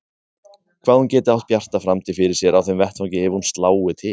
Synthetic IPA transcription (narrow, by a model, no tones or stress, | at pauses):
kʰvaːðhuncɛːt̪ɪawht̪̚pjar̥t̪afɾamt̪ʰɪfɪɾɪɾ̥sjɛɾawθemvɛht̪vawŋcɪɛvɪhunst̪laːwɪt̪ʰɪ